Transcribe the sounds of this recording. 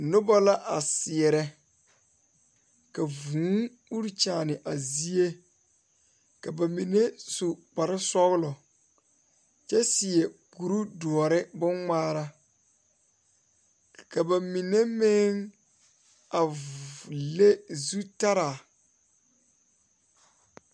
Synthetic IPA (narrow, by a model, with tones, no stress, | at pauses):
nʊ˦ba˦la˦ʔa˨sɪ˨ɛ˨ɾɛ˦ | ka˨vũː˨˦ŋ | u˦ɾt͡ʃaː˨nɪ˨ʔa˨zi˦e˦ | ka˨ba˨mi˨ne˦su˨k͡pa˨ɾɪ˦sɔ˦ɣʊ˦lɔ˨ | t͡ʃɛ˦sɪ˨ɛ˨ku˨ɾu˦du˨ɔ˨ɾɪ˦bʊ˦ŋŋaː˦ɾa˦ | ka˨ba˨mi˨ne˦mɪ˦ŋ | a˨ | le˦zu˦ta˦ɾa˨